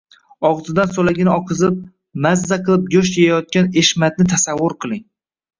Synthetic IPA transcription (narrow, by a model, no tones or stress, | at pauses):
ɒʁzɪd̪ansolaɡʲɪnɪɒqʰɨzɪp̚ | mazːaqɨlˠɪp̚ɡʲoʃ̬ejajɒt̪̚kʲaneʃmat̪̚nɪt̪ʰasavːʊɾqʰɨlˠɪŋ